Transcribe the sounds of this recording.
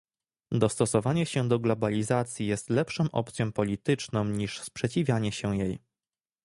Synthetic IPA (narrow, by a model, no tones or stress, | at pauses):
d̪ɔst̪ɔsɔvaɲɛɕɛd̪ɔɡlɔbalʲizat̪sʲjijɛst̪lɛpʂɔmʔɔ̰pt̪sʲjɔ̃mpɔlʲit̪ɘt͡ʂnɔ̃mɲiʂspʂɛt͡ɕivʲjaɲɛɕɛjej